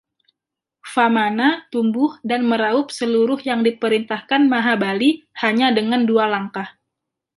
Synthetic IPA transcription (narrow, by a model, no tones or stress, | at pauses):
famanat̪umbʊhdanməɾaʊp̚səluɾʊhjaŋdipəɾint̪ahkanmaɦabalihaɲadəŋandualaŋkah